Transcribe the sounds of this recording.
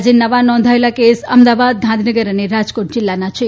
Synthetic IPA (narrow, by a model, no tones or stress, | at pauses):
d͡ʒenəʋanɔ̃nd̪ʱaelakesəmd̪abad̪̚d̪ʱãnd̪ʱinəɡəɾəneɾad͡ʒkoʈ̚d͡ʒɪlːanat͡ʃʰe